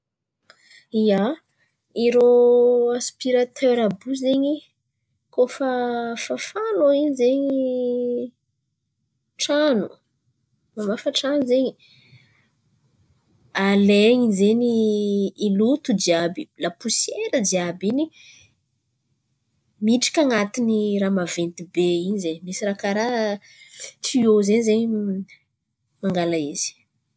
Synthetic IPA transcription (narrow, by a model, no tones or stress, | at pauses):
ia | iɾoaspiɾat̪ʰøɾabuzeɲi | kofafafaloiɲzeɲi | ʈ͡ʂanu | mamafəʈ͡ʂanuzeɲi | aleɲizeniː | lut̪ud͡ʒiabilapusjeɾədiabini | miʈ͡ʂḁkaŋat̪iniramavent̪ibeinizeɲmisirakaɾa | tiozeɲizeɲi | maŋɡalaiz̥i̥